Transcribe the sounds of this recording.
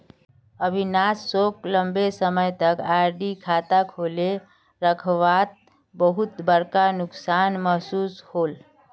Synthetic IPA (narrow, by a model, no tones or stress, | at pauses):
əbʱinasːokləmbesəməjt̪əkaɾɖikʰat̪akʰole | ɾəkʰʋat̪̚ | bəɦut̪bəɾkanʊksanməɦsuːshol